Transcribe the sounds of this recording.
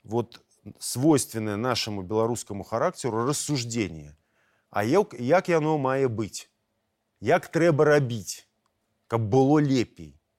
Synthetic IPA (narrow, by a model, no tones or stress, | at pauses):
vɔt̪ | svɔjst̪vʲɪnːəjɛnaʂɨmubʲɪlˠaɾuskɐmuxaɾakt͡sʲɛɾʊrəsːuʐd͡zʲenʲjɛ̰ | a̰jkjakjanɔmajɛbɨt͡sʲ | jakt̪ɾɛbɐɾabʲit͡sʲ | kɐb̚ːɨlˠɔlʲepʲḛj